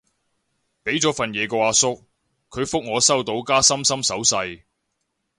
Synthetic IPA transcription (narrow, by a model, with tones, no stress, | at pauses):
pe˨˥jt͡sɔː˨˥fɐ˨njɛː˨˧kɔː˧aː˨˧sʊ˥k̚ | kʰːɵ˨˧ɥfʊ˥k̚ŋɔː˨˧sɐ˥wt̪o˨˧˥wkaː˥sɐ˥msɐ˥msɐ˨˥wsɐ˧j